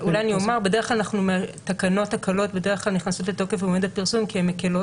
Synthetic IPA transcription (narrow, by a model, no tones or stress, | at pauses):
ulajaniomaʁbe̞deχklalanaχnumeat̪akano̞takʰalo̞tbe̞d̪eʁeχklalniχnaso̞tleto̞kefeomed̪apiʁsumkiemːekelo